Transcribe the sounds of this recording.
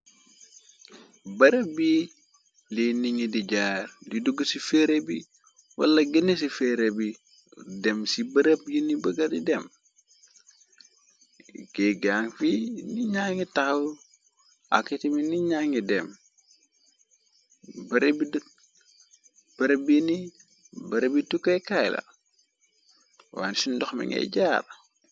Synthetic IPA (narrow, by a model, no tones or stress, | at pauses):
bɐɾəbi | liniŋidiɟaːɾdiduɡusifeɾebi | wɐ̰lːaɡinis̬ifeɾebi | demsibɐɾəbjinibəɡadidem | ɡeɡaːŋfiniɲaːŋitax | a̰kːitiminiɲaŋidɛm | bɐɾebid | b̥ɐɾəbjini | bɐɾebitukːɐkajlɐ̰ | wa̰nsindɔxmḭŋḛɟaːɾ